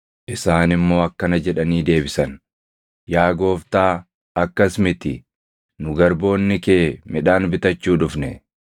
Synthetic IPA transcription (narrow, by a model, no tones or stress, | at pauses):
ʔɪsaːnɪmːo̞ːɐkːɐnɐd͡ʒɛᶑɐniːd̪e̞ːbɪsɐn | jaːɡo̞ːft̪aː | ɐkːɐsmɪt̪ɪ | nʊɡɐɾbo̞ːnːɪke̞ːmɪᶑaːnbɪt̪ɐt͡ʃːuːᶑʊfnɛ